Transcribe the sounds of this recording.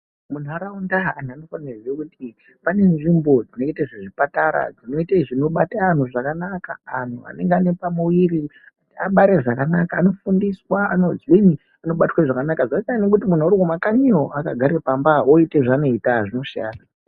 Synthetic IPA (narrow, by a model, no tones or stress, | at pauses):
mun̤uaɾaundaan̤uano̞fanirekuti | pane̞nʐimbod͡zinokɡeteʐeʐipataɾa̰d͡zino̞iteʐino̞ɓataːn̤uʐakanaka̰ːn̤ua̰neŋɡeane̞pamuwiɾi | ataɓaɾe̞ʐakanakaːno̞fundiswaano̞zwini | ano̞ɓatwaʐakanakaʐaikaanek̬utimun̤uoɾiwomakaɲioʔakaɡʱaɾepambaoiteʐano̞itaʐino̞ʂia̰ːna